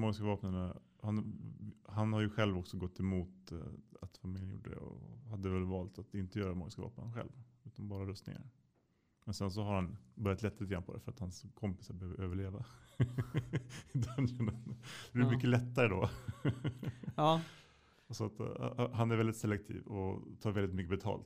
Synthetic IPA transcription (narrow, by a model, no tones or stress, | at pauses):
mɔɡɪskavɑːpnana | han | hanhaɾjɵɧɛlvɔksɔɡɔt̪ːɛmuːt̪a̰t̪famɪljənjṵːɖːəd̪ɛ̰ɔ̰had̪ːəvɛlvɑːlt̪at̪ɪnt̪əjœːɾamɔɾɡɪskavɑ̰ːp̚na̰nɧɛ̰lvʉ̟ːt̪anbɑːɾaɾœst̪nɪ̰ŋa̰ɾ | mɛnsɛns̬ɔhaɾhanbœɾjat̪lɛt̪ːalit̪əɡɾanpʰɔd̪ɛ̰fœɾat̪hanskʰɔmpɪ̥saɾbɛhøːvəɾøːvəɭeːva | d̪ʰnɛnand̪dɛjmʏkːəlɛt̪ːaɾəd̪ɔ | sɔat̪ɦanæɾvɛlɪt̪sɛlɛk̚t̪ʰḭːvɔ̰t̪ʰɑːɾvɛlːɪt̪mʏkːəbɛt̪ʰɑ̰ːlt̪